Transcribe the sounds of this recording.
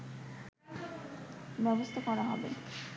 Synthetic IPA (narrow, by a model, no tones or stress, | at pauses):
bɛbost̪ʰakɔɾaɦɔbḛ